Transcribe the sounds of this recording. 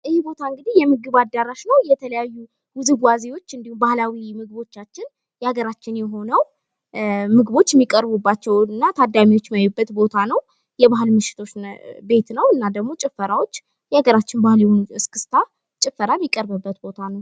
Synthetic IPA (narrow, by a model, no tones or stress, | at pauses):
ʔɨhebo̞t̪ʰaɨŋɡɨd̪ihjɛmɨɡɨβad̪aɾaʃnəwjɛt̪ʰələjajːu | wʊzɨɡwazewo̞t͡ʃːɨnd̪ihumbahlawimɨɡɨβo̞t͡ʃːat͡ʃːɪn | jɛaɡəɾat͡ʃːɪnjɛɦo̞nəw | mɨɡɨβo̞t͡ʃːjɛmːikʼəɾbubːat͡ʃːɛwɨnːat̪ʰad̪amiwo̞t͡ʃːmajubːət̪bo̞t̪ʰanəw | jɛβaɦɨlmɨʃɪ̥t̪ʰo̞t͡ʃbe̞t̪nəwɨnːad̪əɡmo̞t͡ʃʼɪfːəɾawo̞t͡ʃː | jɛaɡəɾat͡ʃːɪnbahɨljɛhonuɨskʰɨ̥st̪ʰa | t͡ʃʼɪfːəɾajɛmːikʼəɾbɨbːət̪bo̞t̪ʰanəw